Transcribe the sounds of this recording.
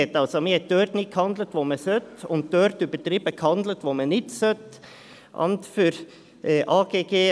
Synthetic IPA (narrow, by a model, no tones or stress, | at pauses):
ɛt̪ɑlsɔmihɛt̪̚d̪̥øːɾd̪nɪkʰhɑnd̪lət̪ʋomɛsœt̪ʊnt̪̚d̪øːɾt̪ybət̪ɾɪbəkʰhɑnd̪lət̪ʋomɛnɪt̪sœt̪ | ʔɑ̰nt̪fyɾ | ʔɑːɡ̥eːɡeː